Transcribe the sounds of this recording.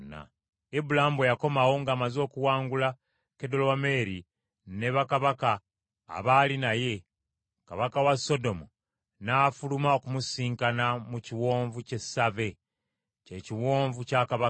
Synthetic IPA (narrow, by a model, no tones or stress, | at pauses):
na̰ | ebulaamwejako̞mawo̞ŋɡaːmazo̞ːkuwaːŋɡula | kedolowame̞ɾi | ne̞βakaβaka̰ː | βalinaje̞ | ka̰βakawaso̞do̞mu | naːfulumao̞kumusiːŋkanamuciwo̞ːɱvuce̞save̞ | ceːciwo̞ːɱvucakaβa